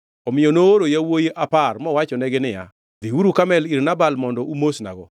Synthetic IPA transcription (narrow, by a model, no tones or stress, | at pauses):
ɔmɪjɔnoːɾojawojeʔaparmɔwat͡ʃɔnɛɡɪnɪja̰ | d̪iwuɾukamɛliɾnabalmɔndɔʔumosna̰ɡɔ